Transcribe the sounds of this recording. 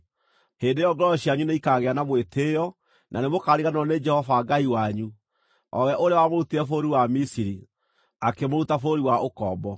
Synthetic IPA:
heːndejɔɡɔɾɔɕiaɲuneikaːɣeanamwetʰejɔ | nʔanemokaɾiɣanɔned͡ʒɛhɔvaɡaiwaɲu | ɔwɛaʔoɾeawamoɾutiɾɛfoɾiwamisiɾi | akemoɾutafoɾiwaokɔːbɔ

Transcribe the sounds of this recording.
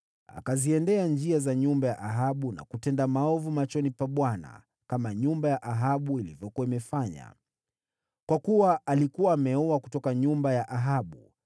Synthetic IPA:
a̰kaziɛndɛand͡ʒiazaɲumbajaʔaɦaɓuna̰kutɛndamaɔvumat͡ʃɔnipaɓwana̰ | kamaɲumbajaʔaɦaɓuilivjɔkuwaimɛfaɲa̰ | kwakuwaʔalikuwaːmɛɔwaku̥tɔkaɲumbajaʔaɦaɓu

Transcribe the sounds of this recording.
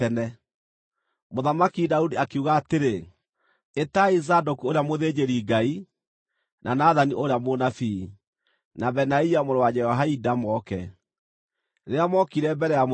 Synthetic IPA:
ɛnɛ | moðamakidaudiakeuɣaːteɾe | etaizadokuoɾeamoðed͡ʑeɾiɡai | nanaðaniʔoɾeamonafi | nabɛnaiamoɾowad͡ʒɛhɔɦaidamɔkɛ̰ | ɾeamɔkiɾɛbɛɾɛjamo

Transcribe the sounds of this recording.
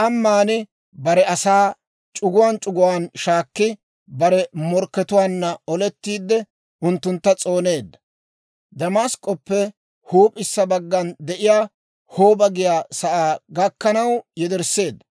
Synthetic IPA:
ʔɐmːaːnɪ | bɐɾɛɐsaː | t͡ʃʼʊɡʊwaːnt͡ʃʼʊɡʊwaːnʃaːkːɪ | bɐɾɛmɔɾkːɛt̪ʊwaːnːɐɔlɛt̪ːiːd̪ːɛ | ʔʊnt̪ːʊnt̪ːɐt͡sʼo̞ːne̞ːd̪ːɐ | d̪ɐmaskʼːɔpːɛ | huːpʼɪsːɐbɐɡːɐnd̪ɛʔɪjaː | hoːbɐɡɪjaːsɐʔaːɡɐkːɐnɐwjɛd̪ɛɾsːe̞ːd̪ːɐ

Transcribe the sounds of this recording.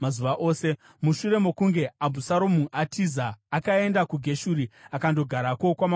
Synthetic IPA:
mazuʋaʔo̞ːse̞ | muʃuɾe̞mokuŋɡe̞abʱusaɾo̞muʔatʰizaːkae̞ndakuɡʱe̞ʃuɾiakando̞ɡʱaɾako̞kwama

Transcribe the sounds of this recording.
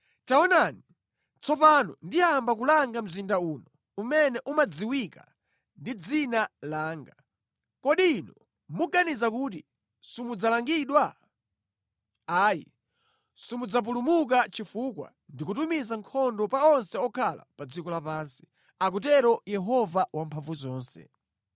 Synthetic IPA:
taɔnani | t͡sɔpanɔ̰ndiambak̬ulaŋɡam̩zindauːnɔ | umɛnɛʔumad͡ziwika̰ | ndid͡zinalaːŋɡa | kɔɗiːnɔ | muɡanizakuːt̬i | simud͡zalaŋɡiɗwa | aːjḭ | sumud͡zap̬ulumuk̬at͡ʃifukwa̰ | ndikutumizaŋkʰɔndɔpaɔnsɛɔkʰala̰pad͡zikɔlapaːnsi̥ | ak̬ut̬ɛɾɔjɛɦɔvawampʰaɱvuzɔːnsɛ̰

